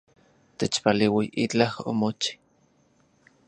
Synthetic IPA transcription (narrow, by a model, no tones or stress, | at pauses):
t̪et͡ʃpaliwiʔit͡ɬaho̰mot͡ʃi̥